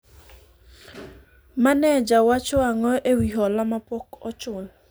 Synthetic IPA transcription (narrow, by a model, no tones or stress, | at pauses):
manɛd͡ʒawat͡ʃɔaŋɔʔewiɦɔlamapɔkɔt͡ʃʊn